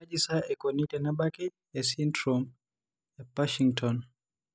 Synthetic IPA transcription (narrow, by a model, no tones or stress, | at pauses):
ad͡ʒisaɛkɔnitɛnabakɛ | jasintɾɔm | japaʃiŋtʰɔn